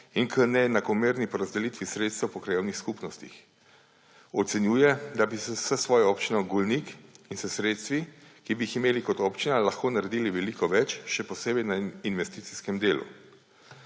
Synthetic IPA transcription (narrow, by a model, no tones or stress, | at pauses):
inkənɛnakɔmeːɾnipɔɾazd̪ɛlit̪ʋisɾeːt̪st̪ɛwpɔkɾajewnixskupnɔst̪ḭx | ɔt̪sɛnjuːjɛd̪abisɛsəsʋɔːjɔɔːpt͡ʃinɔɡulnikinsɛsɾeːt̪st̪ʋikibiːximeːlikɔt̪ɔːpt͡ʃinalaxkoːnaɾɛd̪iːliʋɛlikɔʋɛt͡ʃʃɛpɔseːbɛjnainʋɛst̪iːt̪siskɛmd̪eːlṵ